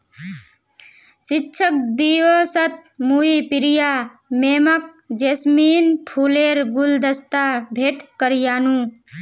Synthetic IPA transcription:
sɪtːʃʰək̚d̪iːʋəsət̪̚muipɪɾijaː | meːmək̚ | d͡ʒesmiːnpʰuːleːɾɡuld̪əst̪abʱeːʈkəɾjaːnũ

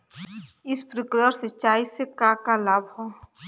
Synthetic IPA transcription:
ɪspɾɪkləɾsət͡ʃaːisekakalaːbho

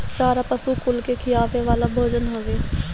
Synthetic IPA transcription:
t͡ʃaːɾapəsukʊlkekʰɪlaːpʰeʋaːlabʱoːd͡ʒənɦoʋeː

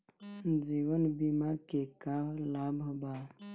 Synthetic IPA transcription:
d͡ʒiwənbimakekalabʱba

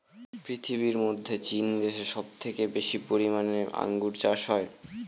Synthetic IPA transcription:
pɾit̪ʰiβiɾmod̪ʱːet͡ɕind̪eʃeʃɔb̚t̪ʰekebeʃipoɾimanea̰ŋɡuɾt͡ɕaʃɦɔe

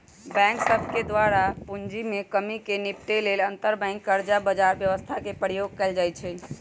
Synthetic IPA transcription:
bɛ̃ŋksəbʱked̪ʋaɾapund͡ʒimekəmikenipʈelelənt̪əɾbɛ̃ŋkːəɾd͡ʒabəd͡ʒaɾbjəʋəst̪ʰakepəɾijoɡ̚kɛld͡ʒajt͡ʃʰɛ

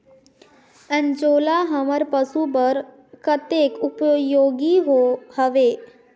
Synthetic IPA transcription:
ə̃nd͡ʒoːlaɦəməɾpəsubəɾ | kət̪eːkʊpjoːɡiɦoːhəʋeː

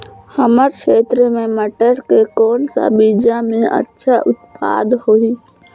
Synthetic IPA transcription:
həməɾʃeːt̪ɾəmẽməʈəɾkekɔːnsa̰biːd͡ʒamẽʔə̰tːʃʰaʔʊt̪̚pa̰ːd̪hoiː

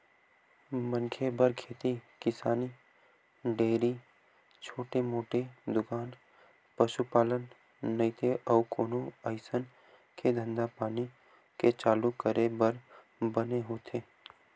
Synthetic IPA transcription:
mə̃nkʰebəɾkʰeːt̪ikɪsaːni | ɖeːɾi | t͡ʃʰoːʈemoːʈed̪ʊkaːn | pəʃupaːlənː | ɐĩt̪ʰeʔɔːkoːnuəɪsən | kʰed̪ʱə̃nd̪apaːni | ket͡ʃaːlukəɾebəɾ | bəneɦoːt̪ʰeː

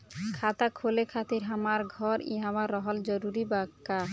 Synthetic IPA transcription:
kʰat̪akʰolekʰat̪iɾɦamaɾɡʱɔɾḭɦamaɾːɔɦɔld͡ʑɔɾuɾibakːa

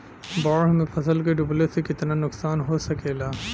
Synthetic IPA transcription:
bɔːɽmẽfʰɐsəlkeɖʊblesekɪt̪nanʊksaːnɦosɐkeːlaː

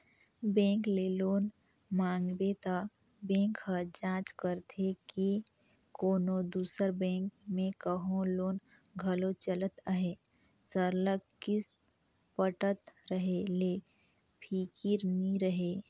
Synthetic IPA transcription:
bɛ̃ːŋkleːloːn | mãːŋɡbet̪a | bɛ̃ːŋkɦəd͡ʒãːt͡ʃkəɾt̪ʰeke | koːnod̪uːsəɾbɛ̃ːŋkmẽkəɦõloːn | ɡʱəlot͡ʃələt̪əɦeː | səɾləɡkɪs | pəʈət̪ɾəɦele | pʰiːkiɾniɾəɦeː

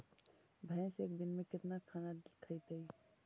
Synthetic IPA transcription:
bʱə̃seːk̚d̪inmẽkɪt̪nakʰanakʰəɪt̪əj

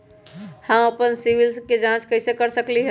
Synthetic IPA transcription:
hə̃məpənsiʋilsked͡ʒãt͡ʃkəɪsekəɾsəkliɦɛ̃

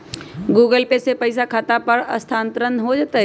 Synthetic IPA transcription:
ɡuːɡəlpesepɐɪsakʰat̪apɐɾɐ̰st̪ʰãːnt̪ɾənɦod͡ʒat̪aɦ

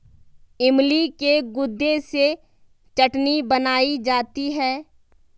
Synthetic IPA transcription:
ɪmlikeɡʊd̪ːese | t͡ʃɐʈnibənaːid͡ʒaːt̪iɦɛː

